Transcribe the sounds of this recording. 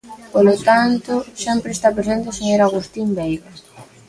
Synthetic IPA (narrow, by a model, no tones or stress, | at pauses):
polot̪ant̪ʊsempɾest̪apɾesent̪eseɲoɾaɣ̞ust̪imbejɣa